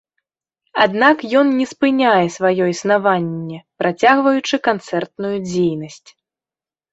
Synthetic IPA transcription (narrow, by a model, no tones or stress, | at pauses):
ad̪nakjɔnnʲɛspɨnʲajɛsvajɔjisnavanʲːɛpɾʔat͡sʲaɣvɐjut͡ʂɨkant̪sɛrt̪̚nujud͡zʲejnɐsʲt͡sʲ